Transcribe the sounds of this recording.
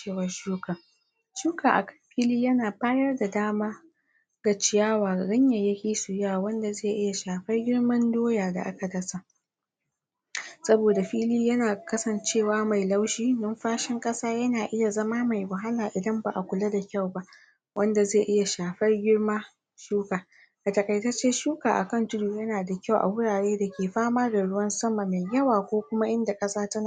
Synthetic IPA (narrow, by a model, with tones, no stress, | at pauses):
t͡ʃeː˦˨wɐ˦ʃuː˦ka˨ | ʃuː˦ka˨ʔa˨kɐ˦ɸiː˦liː˦jɐ˦naː˨ɸaː˦jɐ˦rda˨daː˦maː˦ | ɡ̥a˨t͡ʃɪ˨jaː˦waː˨ɽɪ˦ɲja˨jɐ˦kʲiː˦su˨ja˦wa˨wɐ˦nda˨zeː˦˨ʔɪ˦ja˨ʃaː˨ɸɐ˦rɡʲɪ˦ɽmɐ˦ndoː˦jaː˨da̰˨ʔa˦ka˨dɐ˦sa˨ʔ | sɐ˦boː˨da˨ɸiː˦liː˦jɐ˦naː˨kɐ˦sɐ˨nt͡ʃeː˦˨waː˦ma˨jla˦wʃiː˦nɐ˦mɸaː˦ʃɪ˦ŋkʼɐ˦saː˦jɐ˦naː˨ʔɪ˦ja˨zɐ˦maː˦ma˨jwɐ˨ɦa˦laː˨ʔɪ˨dɐ˦mba˨ʔa˨kʷʊ˨la˦da˨kʲa˦˨wba˦ʔ | wʔɐ˦nda˨zeː˦˨ʔɪ˦ja˨ʃaː˨ɸɐ˦rɡʲɪ˦ɽma˦ | ʃuː˦kaː˨ | ʔa˨tɐ˨kʼɐ˨jtɐ˦t͡ʃeː˦ʃuː˦kaː˨ʔa˨kɐ˦˨ntʊ˦duː˨jɐ˦naː˨da˨kʲa˦˨wʔa̰˨wʊ˦ɽaː˨ɽeː˦da˨kʲeː˨ɸaː˦maː˦ɡa˨ɽʊ˦wɐ˦nsɐ˦ma˨ma˨jjɐ˦waː˨kʷoː˦kʷʊ˦ma˦ʔɪ˦nda˨kʼɐ˦saː˦tɐ˦n˨